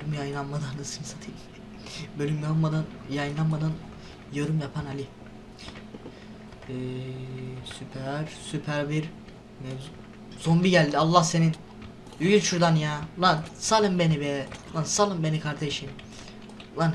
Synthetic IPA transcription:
ymjajɯnlˠanmad̪anːasɯmsat̪ʰil | bølʲymjalˠmad̪anjajɯnlˠanmad̪an | joɾumjapʰanalʲi | ɛ | sypʰæɾ̥sypʰæɾbiɾ | mɛ | z̥ombiɟælʲd̪ialˠːahse̞nin | yɡylʲt͡ʃʰuɾd̪anjalˠansalˠɯmbenivɛlˠansalˠɯmbe̞nikʰaɾd̪eʃin | lan

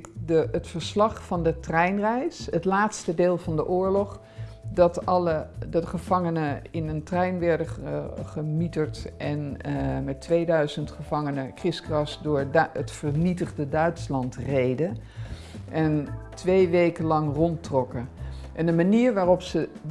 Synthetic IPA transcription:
kdəətfəɹslɑχfɑndətrɛjnrɛjsətlaːtstədeːlˠvɑndəʔʊːɹlɔχ | dɑtɑlədɑtəχəv̥ɑŋənəɪnəntrɛjnʋɛɹdəχəmitəɹtʔɛnmɛtʋejdœɥzəntχəvɑŋənəkrɪskrɑsdʊːɹətfəɹnitəχdədœɥtslɑntrejdə | ʔɛntʋejʋejkəlɑŋrɔntrɔkəʔɛndəmaniːɹʋaːrɔpsə

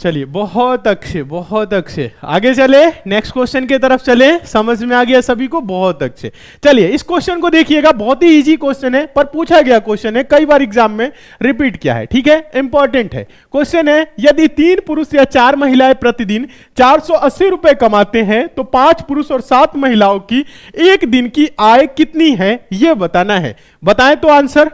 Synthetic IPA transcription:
t͡ʃɐliebɔɦɔt̪ɐkt͡ʃʰebɔɦɔt̪ɐk̚t͡ʃʰḛa̰ːɡet͡ʃɐlẽnɛksʈkwest͡ʃənket̪ɐɾəpʰt͡ʃɐlẽsɐməd͡ʒʱmẽaːɡɐjasɐbʱikobɔɦɔt̪ɐk̚t͡ʃʰḛ | t͡ʃɐlijeɪskwesʃənkod̪eːkʰieɡabɔɦt̪ɦiiːd͡ʒikesʃənɦɛ̃pɐɾpuːt͡ʃʰaɡɐjakesʃənɦɛ̃kɐibaːɾɪɡzaːmːẽ | ɾɪpiːʈkija̰ɦɛ̰ʈʰiːkɦɛɪ̃mpɔːɾʈə̃ɳʈɦɛ̰ː | kost͡ʃənɦɛ̃jɐd̪it̪iːnpʊɾʊsjat͡ʃaːɾməɦilaepɾət̪id̪ɪn | t͡ʃaːɾsɔʔɐsːiɾupekɐmat̪eɦɛ̃t̪opãːt͡ʃpuɾʊsɔːɾsaːt̪mɐɦilaõki | eːkd̪ɪnkiʔaekɪt̪niɦɛ̃jebɐt̪anaɦɛ̰ | bɐt̪aẽt̪oaːnsəɾ

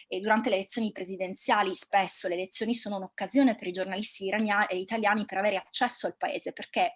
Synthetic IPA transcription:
d̪uɾant̪eleːlet̪sjonipɾezid̪ent̪sjaːlispesːoleːlet̪sjoːnisoːnounokːazjoːnepeɾid͡ʒornalist̪iait̪aljaːnipeɾaveːɾeat͡ʃːɛsːoalpaeːzeperk̟e

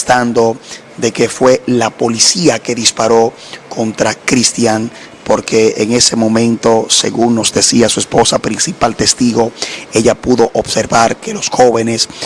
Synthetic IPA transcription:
st̪and̪o̞ | d̪e̞ke̞fwe̞lapo̞lisiake̞ðispaɾo̞ | kʰo̞nt̪ɾakɾist̪jaŋ | po̞ɾke̞ːŋe̞se̞mõ̞mẽ̞nt̪o̞se̞̰ɣuŋno̞zd̪e̞siasue̞spo̞sapɾinsipalt̪e̞st̪iɣo̞e̞ʝapuðo̞ʔobse̞ɾβaɾke̞lo̞sxo̞βe̞ne̞s

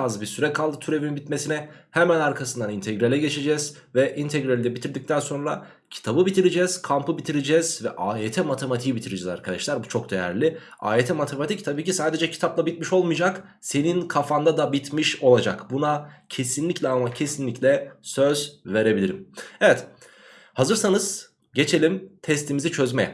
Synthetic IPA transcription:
azbiɾsyɾɛkʰalˠd̪ɯt̪ʰyɾe̞vinbit̪mesinɛhɛmænaɾkʰasɯnd̪anint̪ʰeɡɾelʲɛɟe̞t͡ʃʰe̞d͡ʒɛz̥ | vɛʔint̪ʰeɡɾelʲid̪ɛbit̪ʰiɾd̪ic̚t̪ʰænso̞nɾa | cʰi̥t̪ʰabɯbit̪ʰiɾed͡ʒɛz̥kʰampɯbit̪ʰiɾed͡ʒɛz̥vɛʔaːjet̪ʰɛmat̪ʰemat̪ʰibit̪ʰiɾed͡ʒɛza̰ɾkʰad̪a̰ʃlʲæɾbut͡ʃʰo̞k̚d̪e̞jæ̰ɾlʲɪ | a̰ːet̪ʰɛmat̪ʰemat̪ʰic̚t̪ʰabiːcisaːd̪e̞d͡ʒɛcʰi̥t̪ʰaplˠabit̪̚miʃo̞lˠmujd͡ʒak | se̞ninkʰafand̪ad̪abit̪miʃo̞lˠad͡ʒakbunacʰe̞sinlʲiclʲɛamacʰe̞sinlʲiclʲɛsøzve̞ɾe̞bilʲiɾimevɛt̪ | hazɯɾsanɯz̥ | ɟe̞t͡ʃʰe̞lʲimt̪ʰɛst̪ʰimizit͡ʃʰø̞zmɛ

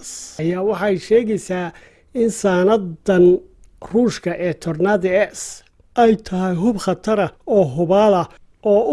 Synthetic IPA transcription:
jaːwɑħɑjʃɛːɣɛjsaː | ɪnsaːnɐdɐn | ruːʃkʰɐʔɛːt̪ʰɔrnaðɪɛs | ʔɛjt̪ʰɐɦɛjɦʊbχɑt̪ʰɐɾɐɔːɦʊβaːlɐ | ɔː

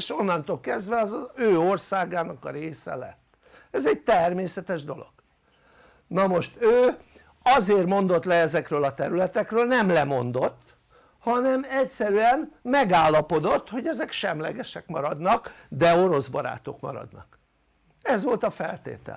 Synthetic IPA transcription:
eʃonːɒnt̪oːlkɛzd̪ʋɛɒzɒøːo̞rsaːɡaːnɒkɒɾeːsɛ̰lɛ̰t̪ː | ɛzɛɟ̚t̪ɛrmeːsɛt̪ɛʒd̪o̞lo̞̰ɡ̥ | nɒmo̞ʃt̪øː | ɒzeːrmo̞nd̪o̞t̪lɛɛzɛkrøːlɒt̪ɛɾylɛt̪ɛkrøːlnɛmlɛmo̞nd̪o̞t̪ː | hɒnɛmɛcsɛɾyɛnmɛɡaːlːɒpo̞d̪o̞t̪ːho̞ɟɛzɛkʃɛmlɛ̰ɡɛʃɛkmɒɾɒd̪nɒkd̪ɛo̞ɾo̞zbɒ̰ɾa̰ːt̪okmɒ̰ɾɒ̰d̪nɒ̰k | ɛzʋo̞lt̪ɒfɛ̰lt̪ḛːt̪ɛ̰l

